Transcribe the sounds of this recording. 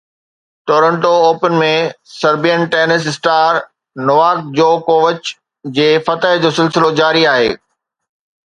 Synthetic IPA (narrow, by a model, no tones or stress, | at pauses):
ʈoːɾə̃ɳʈooːpənmẽsɐɾbijənʈeːnɪs̬ɪsʈaːɾ | nʊʋaːk̚d͡ʑoːkoːʋət͡ɕ | d͡ʑeːfɐt̪əɦd͡ʑoːsɪlsɪlod͡ʑaːɾiaːɦḛː